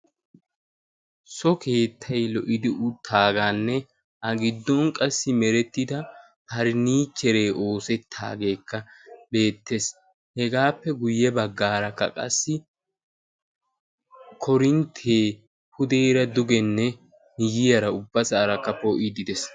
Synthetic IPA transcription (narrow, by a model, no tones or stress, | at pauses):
sɔkʰe̞ːt̪ʰːɐjlɔʔɪd̪ɪʔʊt̪ʰːaːɡanːɛ | ʔɐɡɪd̪ːɔŋkʼɐsːɪmɛɾɛt̪ːɪd̪ɐ | hɐɾɪniːt͡ʃːɛɾe̞ːʔo̞ːsɛt̪ʰːa̰ːɡe̞ːkːɐbe̞ːt̪ːe̞s | hɛɡaːpːɛɡʊjːɛbɐɡːaːɾɐkːɐ̰kʼɐ̰sːɪ | kʰɔɾɪnt̪ʰeː | pʊd̪eːɾɐd̪ʊɡɛnːɛ | nɪjɪjɐɾɐʊbːɐsaːɾɐkːɐpɔʔɪd̪ɪd̪ɛs